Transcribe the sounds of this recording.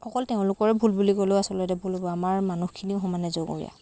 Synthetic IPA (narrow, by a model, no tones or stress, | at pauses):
xɔkɔlteʊ̃lʊkɔɹɛbʱulbulikoleʊasɔlɔtɛbʱulɔbɔamaɹmanuxkʰiniʊxɔmanɛzoɡɔ̰ɹḭja̰